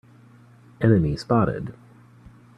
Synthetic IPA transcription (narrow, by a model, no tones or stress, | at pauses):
ɛnɨmispɑɾɪ̰d̥